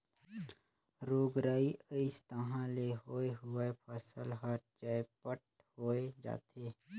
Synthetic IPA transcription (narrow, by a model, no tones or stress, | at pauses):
ɾoːɡɾaːiʔəɪst̪əɦãleɦoːeɦʊepʰəsəlɦəɾt͡ʃaːepəʈ | hoːed͡ʒa̰ːt̪ʰeː